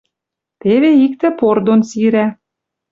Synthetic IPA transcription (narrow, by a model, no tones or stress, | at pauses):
t̪eβeik̚t̪ɘ̆pord̪onsiɾæ